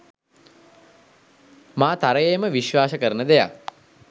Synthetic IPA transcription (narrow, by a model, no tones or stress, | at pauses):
maːt̪aɾəjeːməʋiʃʋaːsəkəɾənəd̪eja̰k̚